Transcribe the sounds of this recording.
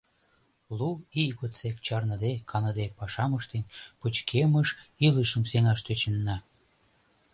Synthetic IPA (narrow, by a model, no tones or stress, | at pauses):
luiɣot̪t͡sekt͡ɕɑrnəd̪ekʰɑnɤ̆d̪epɑʃɑməʃt̪enʲpət͡ɕkʰeməʃiləʃə̆mseŋɑʃt̪øt͡ɕənːɑ